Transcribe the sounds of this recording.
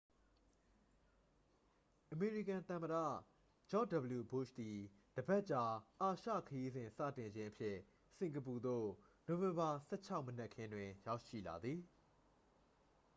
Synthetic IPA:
ʔəme˨ɹi˦˨kã˨nt̪ã˨məɾä̰˦˨ | d͡ʑɔ˦˨də˨bəlju˨bʊ˦˨ʃt̪i˨ | d̥əbɛ˦ʔt͡ɕa˦ʔa˨ʃä̰˦˨kʰəji˦zɪ̃˨nsä̰˦˨tɪ̃˨ɲd͡ʑɪ̃˦ʔəpʰjɪ˦ | sɪ̃˨ŋɡəp̬u˨d̪o̰˦˨no˨vɪ̃˨mba˨sɛ̰˦˨t͡ɕʰa˦ʊmənɛ˦ʔkʰːɪ̃˦ndwɪ̃˨ja˦ʊʔʃḭ˦˨la̰˨d̪ði˨

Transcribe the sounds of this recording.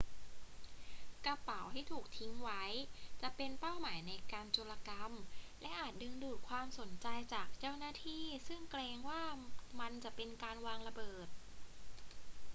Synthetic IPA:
ka˧pa˩˦wtʰiː˥˩t̪ʰuː˨˩k̚t̪ʰi˦˥ŋwa˦˥jt͡ɕa˨˩ʔpe˧npa˥˩wmaː˩˦jna˧jkaː˧nt͡ɕo˧la˧ka˧mlɛ˦˥ʔaː˨˩t̪̚dɯ˧ŋduː˨˩t̪̚kʰwaː˧mso˩˦nt͡ɕa˧jt͡ɕaː˨˩k̚t͡ɕa˥˩wnaː˥˩t̪ʰiː˥˩sɯ˥˩ŋkleː˧ŋwaː˥˩ma˧nt͡ɕa˨˩ʔpe˧nkaː˧nwaː˧ŋɾa˧bɤː˨˩t̪̚

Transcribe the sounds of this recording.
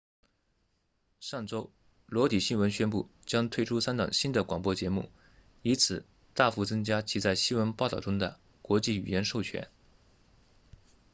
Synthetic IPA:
ʂɑ˥˩ŋʈ͡ʂo˥ʊ | lwɔ˧˥t̪i˨˩ɕi˥nwə˧˥nɕɥɛ˥npu˥˩ | t͡ɕjɑ˥ŋt̪ʰwe˥˩ɪʈ͡ʂʰu˥sa˥nt̪ɑ̰˨˩ŋɕi˥nd̪ə˨kwɑ˨˩ŋpwɔ˥t͡ɕjɛ˧˥mṵ˥˩ | i˧˥nt͡sʰɹ̩˨˩˦ | t̪a˥˩fu˧˥t͡sɤ˥ŋt͡ɕja˥t͡ɕʰi˧˥t͡sa˥˩ɪɕi˥nwə˧˥npʊt̪ɑ˥˩ʊʈ͡ʂʊ˥ŋd̪ə˨ | kwɔ˧˥t͡ɕi˥˩y̰˨˩jɛ˧˥nʂo˥˩ʊt͡ɕʰɥɛ̰˧˥n

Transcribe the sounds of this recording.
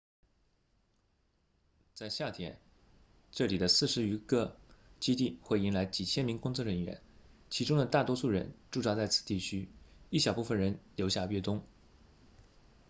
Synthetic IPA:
t͡sa˥˧ɪɕja˥˩t̪ʰjɛ˥n | ʈ͡ʂɤ˥˩li˨˩d̪ə˦sɹ̩˥˩ʂɻ̩˧˥y˧˥kɤ˥˧t͡ɕi˥t̪i˥˩xwe˥˩ɪi˧˥ŋla˧˥ɪt͡ɕi˨˩t͡ɕʰjɛ˥nmi˧˥ŋkʊ˥ŋt͡sɔ˥˩ɻə˧˥nɥɛ̰˧˥nt͡ɕʰi˧˥ʈ͡ʂʊ˥ŋd̪ə˨t̪a˥˩t̪wɔ˥ʂu˥˩ɻə̰˧˥nʈ͡ʂu˥˧ʈ͡ʂɑ˥t͡sa˥˩ɪt͡sʰɹ̩̥˨˩t̪i˥˩t͡ɕʰy˥i˥˩ɕjɑ˨˩ʊpu˥˩fə˨˩nɻə˧˥nljo˧˥ʊɕja˥˧˩ɥɛ˥˩t̪ʊ˥ŋ

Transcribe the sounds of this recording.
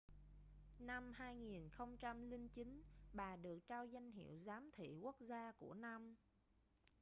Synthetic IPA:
na˧mhaː˧jŋi˨˩nxə˧wŋ͡mt͡ɕa˧mli˧ŋt͡ɕi˨˦nɓaː˨˩ɗɨ˨˩ək̚t͡ɕaː˧wza˧jŋ̟ɦḭ˧˨əwzaː˨˦mt̪ʰḭ˧˨ku˦˥k̚zaː˧ku˧˩əna˧m

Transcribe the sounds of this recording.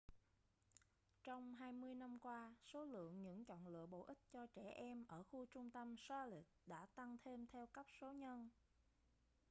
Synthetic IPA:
t͡ɕɔ˧wŋ͡mɦaː˧jmɨ˧əjna˧mkwaː˧so˨˦lɨ̰˧˨əŋɲɨ̰˧˥ŋt͡ɕɔ̰˧˨nlɨ̰˧˨əɓo̰˧˨ʔï˦˥k̚t͡ɕɔ˧t͡ɕɛ˧˩ʔɛ˧mʔəː˧˩xu˧t͡ɕʊ˧ŋ͡mt̪ə˧msaː˧li˨˩k̚ɗa̰ː˧˥t̪a˧ŋt̪ʰe˧mt̪ʰɛ˧wkə˦˥p̚so˨˦ɲə˧n

